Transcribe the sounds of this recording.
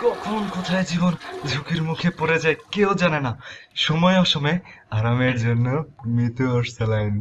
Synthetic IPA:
kɔkʰonkɔt̪ʰaed͡ʑibond͡ʒʱukiɾmukʰepoɾed͡ʑaekeod͡ʑanenaʃɔmɔeɔʃɔmɔe | aɾameɾd͡ʑonːomit̪uoɾsʰelajn

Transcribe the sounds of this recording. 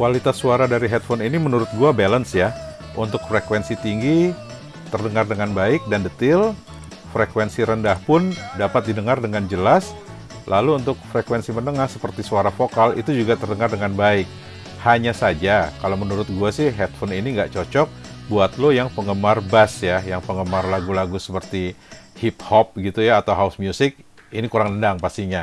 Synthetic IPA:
kwalit̪asːuaɾadaɾiɦɛt̪̚fɔninimənuɾʊt̪̚ɡuabalənsja | ʔunt̪ʊk̚fɾekwɛnsit̪iŋɡi | t̪ərdəŋardəŋanbaɪk̚dandət̪ɪl | fɾekwɛnsiɾəndahpʊndapat̪̚didəŋardəŋand͡ʒəlas | lʔaluːnt̪ʊk̚fɾekwɛnsimənəŋahsəpərt̪isuaɾafokalḭt̪ud͡ʒuɡat̪ərdəŋardəŋanbaɪk̚ | haɲasad͡ʒakalamənuɾʊt̪̚ɡuasɪhɦɛt̪̚fɔniniŋɡaʔt͡ʃot͡ʃɔk̚ | buat̪lojaŋpəŋɡəmarbasjajaŋpəŋəmarlaɡulaɡusə̥pərt̪ihip̚hɔp̚ɡit̪ujaːt̪awɦaʊsmjusɪk̚ | inikuɾaŋəndaŋpast̪iɲa

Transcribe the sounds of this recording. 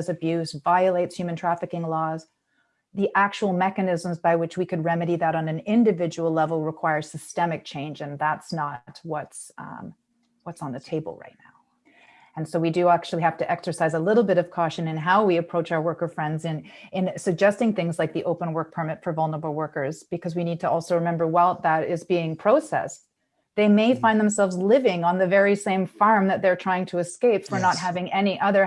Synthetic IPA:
zɨbjʉzvaɪɨleɪtshjʉm̃ntʰɹ̥æfɨkɪ̃ŋlɔz | ðiʔæk̚t͡ʃuwl̩ˠmɛkɨnɪzə̃mzbaɪwɨt͡ʃwikʰɨd̚ɹɛmɨɾiðɨɾn̩ɨ̃nɪ̃ndɨvɪd͡ʒəwl̩ˠlɛvl̩ˠɹəkʰw̥aɪə̥˞sɨstɛmɨk̚t͡ʃʰẽɪ̃nd͡ʒɨ̃nðætsnət̚wʌts | wʌtsn̩ðɨtʰeɪbə̰l̩ˠɹa̰ɪtⁿna̰ʊ | ɨ̃nsoʊwidɨæk̚t͡ʃʉl̩ˠihæftɨʔɛksə˞saɪzəlɪɾl̩ˠbɪɾʌv̥kʰɔʃɨ̃nɨ̃nɦaʊwiɨpʰɹ̥oʊt͡ʃaʊə˞wɜ˞kə˞fɹɛ̃ndzɨ̃nɨ̃nsɨɡ̚d͡ʒɛstɪ̃ŋθɪ̃ŋzlaɪk̚ðiʔoʊpə̃nwɜ˞k̚pʰə˞mɪtfə˞vʌlˠnə˞əbl̩ˠwɜ˞kə˞z̥b̥ɨkʰʌzwinid̚tʰəɔlˠsoʊɹɨmɛ̃mbə˞waɪlˠðəɾɪzbiɪ̃ŋpʰɹ̥oʊsɛ̰s | ðeɪmeɪfãɪ̃nðɨ̃msɛlˠvzlɪvɪ̃ŋə̃nðɨvɛɹisẽɪ̃ɱfɑɹmðɨt̪̚ðə˞tʰɹ̥aɪɪ̃ŋtʰɨːskeɪpfə˞nət̚ɦævɪ̃ŋʔɛniʔʌðə˞

